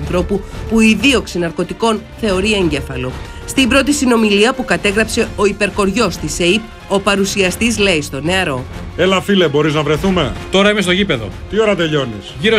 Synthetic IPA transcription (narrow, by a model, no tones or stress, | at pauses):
nθɾo̞pupuiðio̞ksinɐɾko̞t̪iko̞nθe̞o̞ɾie̞ɲɟe̞fɐlo̞ | st̪ibɾo̞t̪isino̞miliɐpukɐt̪e̞ɣɾɐpse̞o̞ipe̞ɾko̞ɾʝo̞st̪iseip̚ | o̞pɐɾusiɐst̪izle̞ist̪o̞ne̞ɐɾo̞ | elɐfile̞bo̞ɾiznɐvɾe̞θume̞t̪o̞ɾɐimest̪o̞ʝipe̞ðo̞̰t̪io̞ɾɐt̪e̞ʎo̞nisʝiɾo